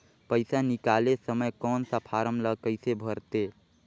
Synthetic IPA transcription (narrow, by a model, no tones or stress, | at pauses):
pəɪsanikalesəməjkɔnsapʰaɾəmləkəɪsebʱəɾt̪e